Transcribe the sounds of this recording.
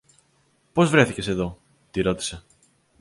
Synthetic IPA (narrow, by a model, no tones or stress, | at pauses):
po̞zvɾe̞θice̞se̞ðo̞ | t̪iɾo̞t̪i̥se̞